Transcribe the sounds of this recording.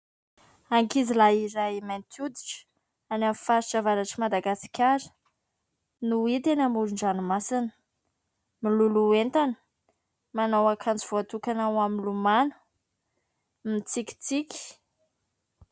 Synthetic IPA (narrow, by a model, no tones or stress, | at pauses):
aŋkizilaiɾajimant̪ʰud̪iʈ͡ʂə̥ | anamifaɾiʈ͡ʂavaɾaʈ͡ʂimad̪aɡasi̥kʲʰaɾə̥ | nuit̪enamuɾuɳɖ͡ʐanumasinə̥ | miluluent̪anə̥ | manawakʰant͡siv̥oat̪ukanawaminlumanə̥ | mit͡sikʲi̥t͡sikʲi̥